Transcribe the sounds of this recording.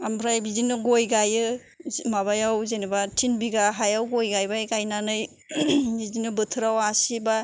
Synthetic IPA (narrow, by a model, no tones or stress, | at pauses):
ambʰɾajbizinɯɡojɡajɯ | maβajawzenibatʰinbiɡaɦajawɡojɡajbajɡajnanɯj | izinɯbɯtʰɯɾawasiba